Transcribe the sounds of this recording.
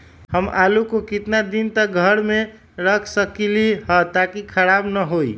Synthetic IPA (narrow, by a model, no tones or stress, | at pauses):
həmʔalukokɪt̪nad̪int̪əɡʱəɾme | ɾəkʰsəkliɦət̪akikʰəɾabnəɦoḭ